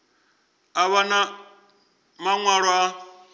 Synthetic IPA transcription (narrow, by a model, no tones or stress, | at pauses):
aβana | maŋwaɺwa